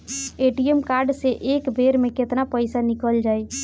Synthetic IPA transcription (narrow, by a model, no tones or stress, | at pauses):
eʈijəmkaɾɖseʔekbʱeɾmeket̪napəɪsanikəld͡ʒaj